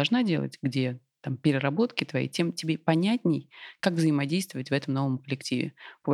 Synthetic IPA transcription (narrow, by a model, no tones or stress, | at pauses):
ʐnadʲe̞lˠə̰tʲɡdʲe̞ | t̪ampʲɪɾʲɪɾɐbo̞t̪kʲɪt̪vɐḭtʲe̞mtʲɪbʲepɐnʲætʲnʲɪjkakvzəɪmɐdʲejst̪vəvətʲvɛt̪əmno̞vəmkəlʲɪktʲivʲɪ̰pəb